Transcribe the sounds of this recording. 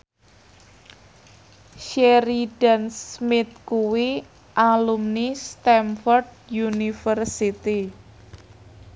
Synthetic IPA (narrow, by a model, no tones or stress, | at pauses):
ʃeɾiɖ̥ansmɪt̪̚kuwi | ʔalumnist̪ɛmfɔrd̚ | junifərsit̪i